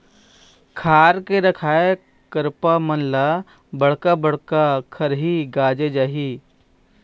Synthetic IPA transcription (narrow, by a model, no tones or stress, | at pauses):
kʰaːɾkeɾɐkʰaːe | kəɾpamənla | bəɽ̤kabəɽ̤kakʰɐɾɦiɡaːd͡ʒed͡ʒaːɦiː